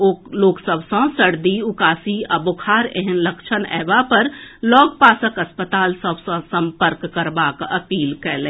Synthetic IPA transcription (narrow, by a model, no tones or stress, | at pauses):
oloːksəbʱsə̃səɽd̪iʊkaːsiɐbʊkʰaːɾeɦɛnləkt͡ʃʰənɛ̰ːbapəɾlɔːɡ̚paːsəkəspət̪aːlsəbsə̃sə̃mpəɾkːəɾbaːkɐpiːlkɛlẽː